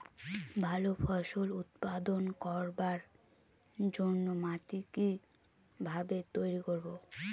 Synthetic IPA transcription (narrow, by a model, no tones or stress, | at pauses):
bʱalopʰɔʃolut̪pad̪onkɔɾbaɾ | d͡ʑonːomaʈiki | bʱabet̪ojɾikoɾbo